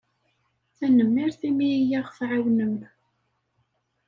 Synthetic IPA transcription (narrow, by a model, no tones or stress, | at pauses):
θænəmːɪɾθimijaʁfʕawnəmn